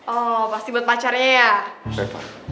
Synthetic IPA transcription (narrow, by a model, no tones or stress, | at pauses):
ʔɔpast̪ibuat̪̚pat͡ʃarɲajasepa̰